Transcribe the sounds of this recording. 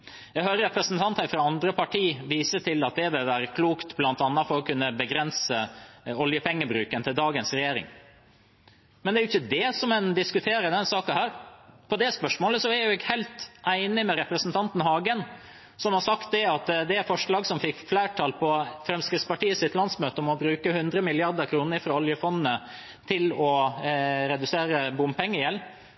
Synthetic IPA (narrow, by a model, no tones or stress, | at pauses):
jæɡɦøːɾəɾɛpɾəsn̩t̪ʰɑnt̪hæɾfɾɑɑnd̪ɾəpɑʈʰiːʋiːsət̪ɪlɑt̪̚d̪ɛʋɪlʋæːɾəkʰluːkt̪blɑnt̪ɑnːɑfɔɾɔkʰʉnːəbəɡɾɛnsəɔljəpʰɛŋːəbɾʉːkənt̪ʰɪld̪ɑːɡənsɾɛjeːɾɪ̰ŋ | mɛnd̪ɛæɾjʊɪçːəd̪ɛsɔmɛnd̪ɪskʉt̪ʰeːɾəd̪ɛnsɑːkɑhæːɾpʰɔd̪ɛspœʂmoːləsɔæɾjæʊɛɡhɛɪlt̪ʔæɪnɪmɛɾɛpɾəsnt̪ʰɑnt̪n̩hɑːɡən | sɔmhɑɾsɑkt̪̚d̪ɛɑt̪d̪ɛæɾfɔʂɭɑːɡsɔmfɪkflæːʈʰɑlpʰɔfɾɛmskɾɪt̪spɑʈiːəsɪt̪lɑnsmøːt̪əɔmɔbɾʉːkəhʉnd̪ɾəmɪlɪɑɾd̪əɾkʰɾuːnəɾfɾɑɔljəfɔnːnə | t̪ʰɪlɔ | ɾɛd̪ʉseːɾəbʊmpʰɛŋːəɪjɛl